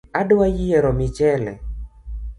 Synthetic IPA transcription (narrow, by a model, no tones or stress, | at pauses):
adowajijɛɾɔmɪt͡ʃɛlɛ̰